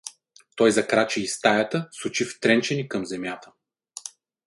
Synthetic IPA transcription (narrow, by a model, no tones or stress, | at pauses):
t̪ɔjzɐkɾat͡ʃɛist̪ajɐt̪əsʊt͡ʃift̪ɾɛnt͡ʃɛnikɐmzɛmjat̪ə̥